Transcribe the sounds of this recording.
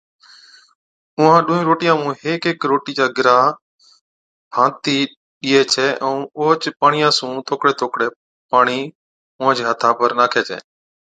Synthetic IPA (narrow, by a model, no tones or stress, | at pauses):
ʊːãːɗʊ̃ːĩːɾoːʈiːjãːmũːɦeːkeːkɾoːʈiːd͡ʒaːɡɾaː | pãːt̪iː | ɗiːeːt͡ʃʰɛːʔɛ̃ːoːɦt͡ʃpaːɳɪjãːsũːt̪ʰoːkɽeːt̪ʰoːkɽeː | paːɳ̃iː | ʊ̃ːd͡ʒeːɦət̪ʰaːpəɾnaːkʰeːt͡ʃʰɛ̰ː